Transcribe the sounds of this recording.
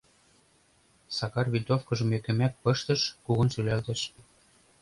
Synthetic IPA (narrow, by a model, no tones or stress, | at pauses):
sɑkɑrβilʲt̪ofkɤ̆ʒɤ̆mø̆kɘ̆mæk̚pɤ̆ʃt̪ɤ̆ʃkuɣɤ̆nʃylælt̪ĕʃ